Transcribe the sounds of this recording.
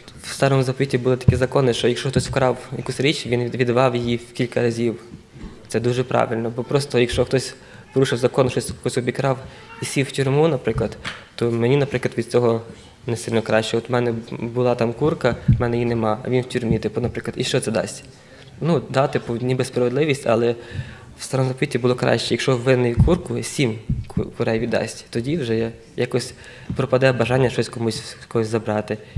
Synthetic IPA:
wst̪ɑɾɔmʊzɐpɔʋʲitʲibʊlˠɪt̪ɐ̥kʲizɐkɔnɪʃt͡ʃɔjɐkʃɔxt̪ɔsʲwkɾɑwjɐ̰kusʲɾʲit͡ʃʲʋʲinʋʲid̪ʋɑwjijikʲilʲkɐɾɐzʲiw | t̪sɛd̪uʒɛpɾʔɑ̰ʋʲilʲnɔbɔpɾɔst̪ɔjɐkʃt͡ʃɔxt̪ɔsʲ | pɔɾuʃɪwzɐkɔnʃt͡ʃɔsʲkkɔsʲɔbʲikɾɑw | isʲiwwtʲʊɾmunɐpɾɪklˠɐd̪t̪ɔmenʲinɐpɾɪklɐd̪ʋʲid̪̚t͡sʲɔɦɔ | nesɪlʲnɔkɾɑʃt͡ʃɛɔt̪mɛnɛbʊlˠɑt̪ɑmkurkɐmɛnɛjinemɑɐ̰ʋʲinwtʲʊɾmʲit̪ɪpʊnɐpɾɪklɐd̪iʃt͡ʃɔt̪sɛd̪ɑ̰sʲtʲ | nud̪ɑt̪ɪpʊnʲibespɾɐʋed̪lˠɪʋʲisʲtʲɐ̰lˠɛ | wst̪ɐɾɐnzɔpɔʋʲitʲːibʊlˠɔkɾɑ̰ʃt͡ʃɛjɐkʃɔʋɪnɪjkurkʊsʲimkkʊɾɛjʋʲid̪d̪ɑ̰sʲtʲt̪ɔdʲiwʒɛja | jakɔsʲ | pɾɔpɐd̪ɛbɐʒɑnʲːɐʃɔsʲkɔmusʲkɔɦɔsʲzɐbɾɑt̪ɪ

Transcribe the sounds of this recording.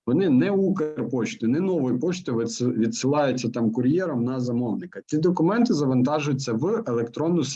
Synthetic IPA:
ʋɔnɪnɛukerpɔt͡ʃt̪ɪnɛnɔʋɔjipɔt͡ʃt̪ɔjʋsʋʲid̪sɪlˠɑjʊt͡sʲːɐt̪ɑmkʊrʲjɛɾɐmnɐzɐmɔʋnɪkɐtʲid̪ɔkʊmɛnt̪ɪzɐʋɐnt̪ɑʒʊjʊt͡sʲːɐʋelˠekt̪ɾɔnːʊs

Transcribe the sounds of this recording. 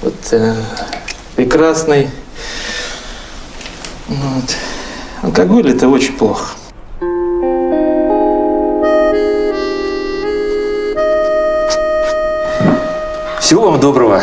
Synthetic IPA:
vo̰t̪ | pɾʲɪkɾasnɨj | nvot̪ɐ̰lˠkaɡolʲɛt̪əot͡ɕɪnʲplˠoxə̥ | fsʲɪvovamd̪obɾəvə

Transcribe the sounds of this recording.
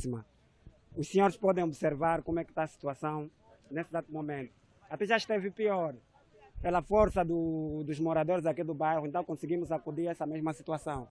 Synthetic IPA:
simɐ | uʃsiɲoɾɪʃpɔd̪ẽj̃obseɾvaɾkõmwɛkɪ̥t̪asi̥t̪uasɐ̃w̃ | nesɪzat̪umomẽnt̪u̥ | at̪ɛʒaiʃt̪evɪpioɾ | pelɐfoɾsɐd̪ud̪uzmoɾad̪oɾɪzakid̪ubajʁuẽnt̪ɐ̃w̃kõsiɡimuzakud̪iɾɛsɐmeʒmɐsit̪uasɐ̃w̃

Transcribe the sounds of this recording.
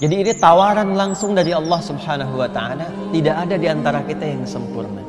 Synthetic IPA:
d͡ʒadiːnit̪awaɾanlaŋsʊŋdaɾiɑlːɑhsubhanaɦuwat̪aala | t̪idaʔːdadiant̪aɾakit̪ajaŋsəmpʊrna

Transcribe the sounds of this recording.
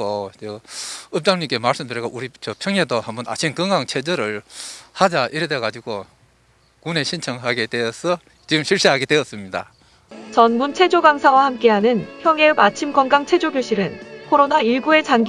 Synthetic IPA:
ot͡ɕʌɯp̚t͡ɕ͈aŋɲimk͈e̞maɭs͈ɯmdɯɾiɡaʔuɾit͡ɕʌpʰjʌŋɦedohambʌna̰t͡ɕʰinkɯŋɡaŋt͡ɕʰe̞d͡ʑʌɾɯɭhad͡ʑaʔiɾedeɡad͡ʑiɡo | kune̞ɕʰint͡ɕʰʌŋɦaɡe̞dweʌsʰʌ | t͡ɕiɡɯmɕʰiɭɕ͈iɦaɡe̞dweʌs͈ɯmɲida̰ | t͡ɕʌnmunt͡ɕʰe̞d͡ʑoɡaŋsʰawahamk͈e̞ɦanɯnçjʌŋeɯbat͡ɕʰimɡʌnɡaŋt͡ɕʰe̞d͡ʑoɡjoɕʰiɾɯnkʰoɾonaiɭɡue̞t͡ɕanɡ

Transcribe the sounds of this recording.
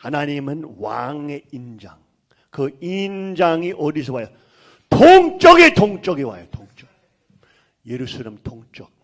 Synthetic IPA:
hananimənwa̰ŋeind͡ʒaŋ | kʰɯind͡ʒaŋiʔodis̬əwajo | t̪ʰoŋt͡ʃoket̪ʰoŋt͡ʃokewa̰jot̪ʰoŋt͡ʃok | jeɾusaləmt̪ʰoŋt͡ʃok̚

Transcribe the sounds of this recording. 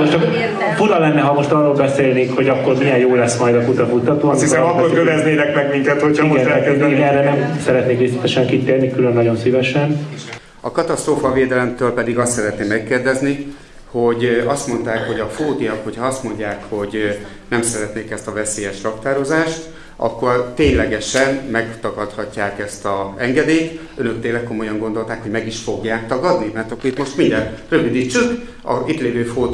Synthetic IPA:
moʃt͡ʃk | fuɾɒlɛnːɛɦɒmo̞ʃt̪ɒrːoːlbɛseːlneːkho̞ɟɒkːo̞ɾmijɛjjoːlɛsmɒjd̪ɒkut̪ɒkut̪ːɒt̪oːshisɛmɒkːorkøvɛzneːnɛkmɛɡmiŋkɛt̪hochɒmoɛɛkɛiɛrːɛnɛmsɛɾɛt̪neːkɾeːsi̥t̪ɛʃɛŋkit̪eːrnikylønːɒɟo̞nsivɛʃɛn | ɒkɒt̪ɒst̪roːfɒveːd̪ɛlɛmt̪øːlpɛd̪iɡɒst̪sɛɾɛt̪neːmːɛkːeːrd̪ɛzni | ho̞ɟɒst̪mo̞nt̪aːkho̞ɟɒfoːd̪ijɒkho̞cʰhɒɒst̪mo̞ɲɟaːkho̞ɟ | nɛmsɛɾɛt̪neːkɛst̪ɒvɛseːjɛʃrɒkt̪aːɾo̞zaːʃt̪ | ʔɒ̰kːo̞rt̪eːɲlɛɡɛʃɛnmɛɡt̪ɒɡɒt̪hɒcːaːkɛst̪ɒɛŋɡɛd̪eːt̪ | ønø̞k̚t̪eːlːɛkkːo̞mo̞jɒŋɡo̞nd̪o̞lt̪aːkho̞ɟmɛɡiʃfo̞ɡjaːk̚t̪ɒɡɒd̪nimɛrt̪ɒkːorit̪mo̞ʃt̪mind̪ɛnrøvyd̪iːt͡ʃːyk | ɒ̰it̪leːvøːfoː

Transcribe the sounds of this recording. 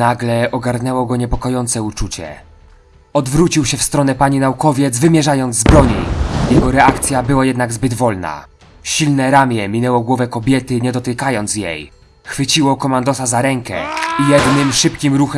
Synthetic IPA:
naɡlɛɔɡaɾnɛwɔɡɔɲɛpɔkɔjɔnt̪sɛut͡ʂut͡ɕɛ̰ | ɔd̪vɾut͡ɕiwɕɛfst̪ɾɔnɛpaɲinaukɔvʲjɛd̪zvɘmʲjɛʐajɔnd̪zzbɾɔɲijɛɡɔɾɛakt̪sʲjabɘwajɛd̪naɡzbɘd̪vɔlna̰ | ɕilnɛɾamʲjɛmʲinɛwɔɡwɔvɛkɔbʲjɛt̪ɘɲɛd̪ɔt̪ɪkajɔnt̪sjḛj | xfɘt͡ɕiwɔkɔmand̪ɔsazaɾɛŋkɛ̰ijɛd̪nɘmʂɘpkʲimɾuxɛ

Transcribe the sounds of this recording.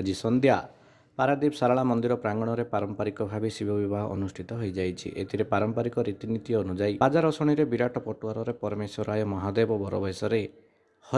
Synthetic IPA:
d͡ʒisɔnd̪ja | paɾad̪ipsaɾaɭamɔnd̪iɾɔpɾaŋɡɔɽ̃ɔɾepaɾɔmpaɾikɔbʱabisibʱɔbibaɦɔʔɔ̰nusʈʰit̪ɔɦojd͡ʒajt͡ʃʰḭʔḛt̪ʰiɾepaɾɔmpaɾikɔɾit̪init̪iːnud͡ʒajbad͡ʒaɾɔsɔɽ̃iɾebiɾaʈʰɔpɔʈuwaɾɔɾepɔɾɔmesɔɾajɔmɔɦad̪ebɔbɔɾɔ̰bʱɔjsɔɾe | hɔ

